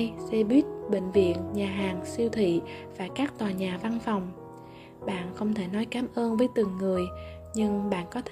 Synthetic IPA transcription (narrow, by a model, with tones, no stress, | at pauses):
jsɛ˧ɓi˦˥ət̚ɓḭ̈˧˨ŋ̟vḭ˧˨ənɲaː˨˩ɦaː˨˩ŋsi˧əwt̪ʰḭ˧˨vaː˨˩kaː˦˥k̚t̪waː˨˩ɲaː˨˩va˧nfa˨˩wŋ͡m | ɓa̰ː˧˨nxə˧wŋ͡mt̪ʰe˧˩nɔ˨˦jkaː˨˦mʔəː˧nvəː˨˦jt̪ɨ˨˩ŋːɨ˨˩əj | ɲɨ˧ŋɓa̰ː˧˨nkɔ˨˦t̪ʰ